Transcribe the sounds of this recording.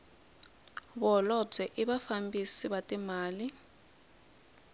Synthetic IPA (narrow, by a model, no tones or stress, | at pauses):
βɔlɔb͡ʐɛʔiɓafambisiβatʼimaːli